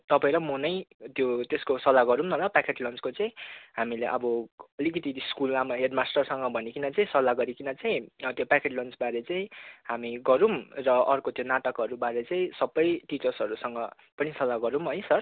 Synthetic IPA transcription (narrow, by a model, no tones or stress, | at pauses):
t̪ʌpãẽɾʌmʌnʌjt̪jot̪eskosʌlaɡʌɾumnʌlapakʰeʈlʌnt͡skot͡saĩɦamileʔʌbʌʌlikʌt̪iskulamaɦeɖmasʈʌrsʌŋɡʌbʱʌnikinʌt͡saĩsʌlaɡʌɾikinʌt͡saĩt̪jopakʰeʈlʌnt͡sbaɾet͡sãĩɦamiɡʌɾumrʌʔʌrkot̪jonaʈʌkɦʌɾubaɾet͡saĩsʌbʌjʈit͡sʌrsʌɾusʌŋɡʌ | pʌnisʌlːaɡʌɾumɦʌjsʌr